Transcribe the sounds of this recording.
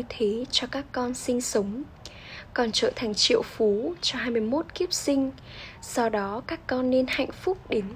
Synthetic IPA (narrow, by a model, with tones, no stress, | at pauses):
t̪ʰe˨˦t͡ɕɔ˧kaː˦˥kːɔ˧nsï˧ŋ̟sə˨˦wŋ͡m | kɔ˨˩nt͡ɕə̰ː˧˨t̪ʰa˨˩ŋ̟t͡ɕḭ˧˨əwfu˨˦t͡ɕɔ˧ɦaː˧jmɨ˧əjmo˦˥t̚ki˦˥əp̚sï˧ŋ̟ | sɔ˧wɗɔ˨˦kaː˦˥kːɔ˧nːe˧nha̰˧˨jŋ̟fʊ˦˥k͡p̚ɗe˨˦n